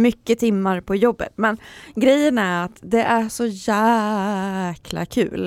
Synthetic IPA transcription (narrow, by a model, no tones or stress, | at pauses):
mʏkːət̪ʰɪmːaɾpʰɔjɔbːə̰t̪mɛnɡɾɛjːənæɾat̪d̪ɛʔæʂɔjæː | kʰla̰kʰʉ̟ːl